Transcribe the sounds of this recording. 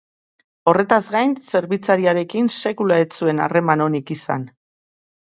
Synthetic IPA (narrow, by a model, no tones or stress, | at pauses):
o̞re̞t̪azɡajnse̞ɾβit͡saɾiaɾe̞kinse̞kulaet͡sue̞na̰re̞mano̞nikisa̰n